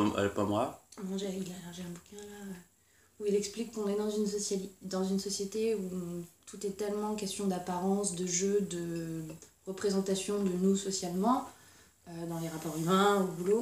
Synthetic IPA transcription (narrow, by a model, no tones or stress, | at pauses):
a̰lɔpamwanɔ̃ʒailɛʃaʒeɛ̃bukʲɛ̃laø | uilɛksplikːɔ̃nɛd̪ɑ̃zynsɔsad̪ɑ̃zynsɔsjet̪eut̪ut̪ɛt̪ɛlmɑ̃kʲɛst̪jɔ̃d̪apaʁɑ̃sd̪əʒød̪ə | ʁəpχezɑ̃t̪asjɔ̃d̪ənusɔsjalmɑ̃ | ød̪ɑ̃leʁapɔʁymɛ̃obulo